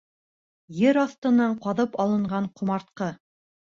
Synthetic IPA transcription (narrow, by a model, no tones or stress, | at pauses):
jɘɾɑθt̪ɤ̆nɑɴqɑðɤpɑlˠɤ̆ɴɢɑɴqʰŏmɑɾt̪̚qɤ